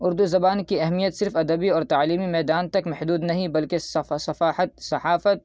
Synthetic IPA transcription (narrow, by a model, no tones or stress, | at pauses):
ʊɾd̪uzɐbaːnkiɐɦmijət̪sɪɾfɐd̪ɐbiɔːɾt̪aʕliːmimɛːd̪aːnt̪ɐkmɐħd̪uːd̪nɐɦĩbɐlkesɐfaːħɐt̪̚sɐħaːfət̪̚